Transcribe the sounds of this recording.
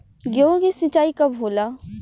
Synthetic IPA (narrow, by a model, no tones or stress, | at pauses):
ɡjoɡisɪt͡ʃaːikɐbɦoːlaː